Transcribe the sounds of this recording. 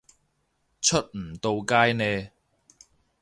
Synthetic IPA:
t͡ʃʰɵ˥t̚m̩˨˩t̪o˧wkaː˥jnɛː˧

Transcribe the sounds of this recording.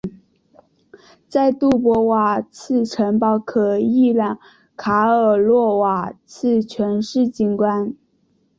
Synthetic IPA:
t͡sa˥˧ɪt̪u˥˩pwɔ˧˥wa˨˩t͡sʰɹ̩˥˩ʈ͡ʂʰə˧˥ŋpɑ˧˥ʊkʰɤ˨˩i˥˧ljɑ˨˩ŋ | kʰa˧˥ə˨˩lwɔ˥˩wa˨˩t͡sʰɹ̩˥˩t͡ɕʰɥɛ˧˥nʂɻ̩˥˩t͡ɕi˧˥˩nkwa˥n

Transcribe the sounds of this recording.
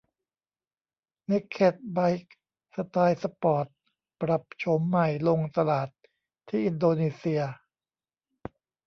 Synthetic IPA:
ne˦˥˩kʰːe˨˩t̪̚ba˧jk̚ | sa˧t̪aː˧jsa˧pɔː˨˩t̪̚ | pɾa˨˩p̚t͡ɕʰo˩˦mːa˨˩jlo˧ŋt̪a˧laː˨˩t̪ʰː | iː˥˩ʔi˧ndoː˧niː˧˩si˧ɐ

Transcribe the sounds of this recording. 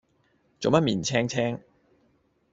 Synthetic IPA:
t͡so˨wmɐ˥t̚miː˨˩nt͡sʰɛː˥ŋt͡sʰɛː˥ŋ

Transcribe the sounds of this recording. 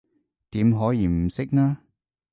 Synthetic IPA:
t̪iː˨˥mɦɔː˨˥jiː˨˧m̩˨˩sɪ˥k̚naː˥

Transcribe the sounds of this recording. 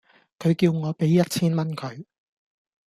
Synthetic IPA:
kʰɵ˨˧ɥkiː˧wŋɔː˨˧pe˨˥jːɐ˥t̚t͡sʰiː˥nmɐ˥nkʰɵ˨˧ɥ

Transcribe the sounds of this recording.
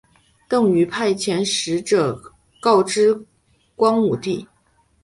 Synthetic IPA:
t̪ɤ˥˩ŋy˧˥pʰa˥˩ɪt͡ɕʰjɛ˧˥nʂɻ̩˧˥ʈ͡ʂə˨˩ | kɑ˥˧ʊʈ͡ʂɻ̩˥ | kwɑ˥ŋu˨˩t̪i˥˩

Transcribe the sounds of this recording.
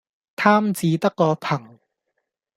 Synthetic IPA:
t̪ʰaː˥mt͡siː˨˧t̪ɐ˥kːɔː˧pʰɐ˨˩ŋ

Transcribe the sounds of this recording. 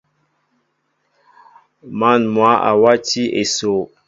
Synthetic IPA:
ma˦˨nmwa˨˦ʔa̰˨wa˦ti˦ʔe˨so˨

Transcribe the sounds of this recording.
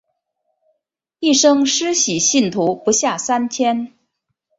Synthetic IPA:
i˥˩ʂɤ˥ŋʂɻ̩˥ɕi˨˩ɕi˥˩nt̪ʰu˧˥pu˧˥ɕja˥˩sa˥nt͡ɕʰjɛ˥n

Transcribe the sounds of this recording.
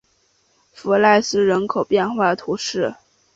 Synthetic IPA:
fu˧˥la˥˧ɪsɹ̩˥ɻə˧˥nkʰo˨˩ʊpjɛ˥˧nxwa˥˩t̪ʰu˧˥ʂɻ̩˥˩

